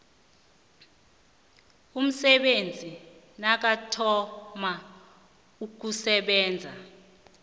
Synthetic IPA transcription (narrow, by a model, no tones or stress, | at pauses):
um̩sɛɓend͡zʱi | nak̬atʰɔma | uk̬usɛɓɛːnd͡zʱa